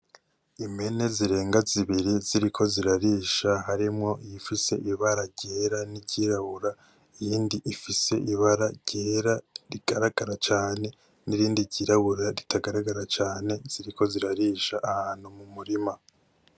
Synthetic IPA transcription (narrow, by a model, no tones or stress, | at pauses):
ime̞ne̞ziɾe̞ːŋɡaziβiɾiziɾikʰo̞ziɾaɾiːʃaɦaɾimŋo̞ijifise̞ʔiβaɾaɾɟeːɾaniɟiɾaβuɾa | ijiːndiʔifise̞̰ʔiβaɾaɟ̥eːɾaɾiɡ̥aɾaɡaɾat͡ʃaːne̞ | niɾiːndiɟiɾaβuɾaɾitʰaɡaɾaɡaɾat͡ʃaːne̞z̥iɾiko̞ziɾaɾiːʃaʔahaːn̥humumuɾima